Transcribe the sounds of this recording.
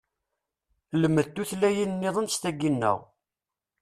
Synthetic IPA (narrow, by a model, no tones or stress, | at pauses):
ləmːəðt̪ːuθlæjinnːɪðˤənst̪æɡːinːə̰ʁ